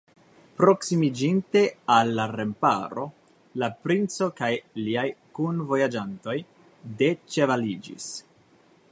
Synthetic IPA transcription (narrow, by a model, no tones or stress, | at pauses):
pɾo̞ksimid͡ʒinte̞alːaɾe̞mpa̰ɾo̞̰ | lapɾint͡so̞kajliajkunvo̞jad͡ʒanto̞j | de̞t͡ʃe̞valid͡ʒḭs